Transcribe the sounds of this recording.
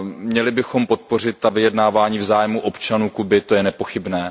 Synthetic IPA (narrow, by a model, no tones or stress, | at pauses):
mɲɛlɪbɪxo̞mpo̞t̪̚po̞r̝ɪt̪̚ːavɪjɛdnaːvaːɲiːvzaːjmuʔo̞pt͡ʃanuːkubɪt̪o̞jɛnɛpo̞xɪbnɛː